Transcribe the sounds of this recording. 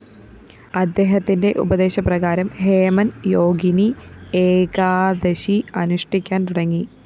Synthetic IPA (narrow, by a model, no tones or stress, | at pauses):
ɐd̪ːe̞ːɦɐt̪ːinde̞ʔṵbɐd̪e̞ːɕɐprɐɣaːɾɐmhe̞ːmɐnjo̞ːɡinieːkaːd̪ɐɕiɐnuʂʈikʲːaːnt̪uɽɐŋːi